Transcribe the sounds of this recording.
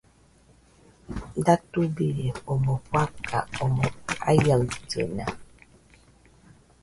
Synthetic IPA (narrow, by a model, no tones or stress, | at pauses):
datubiɾiomopwakʰa̰ʔomoa̰jəltə̰na